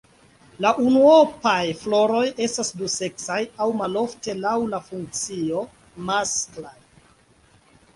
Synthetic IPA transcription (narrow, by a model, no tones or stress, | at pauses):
laʔunuopajflo̞ɾo̞je̞stasduse̞ksajawmalo̞fte̞lawlafuŋk̚t͡sio̞ | masklaj